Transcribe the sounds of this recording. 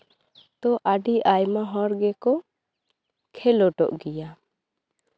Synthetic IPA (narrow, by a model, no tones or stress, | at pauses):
t̪ɔʔaɖiʔajmaɦɔ̃ɾɡɛkɔ | kʰɛlɔʈɔʔɡija